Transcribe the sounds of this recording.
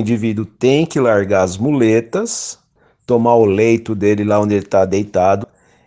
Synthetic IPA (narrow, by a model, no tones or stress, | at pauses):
ĩnd͡ʒivid̪ʊt̪ẽj̃kɪlaɾɡaɐzmulet̪ɐs | t̪omaʊlejt̪ʊd̪elɪlaõnd̪elɪt̪ad̪ejt̪ad̪ʊ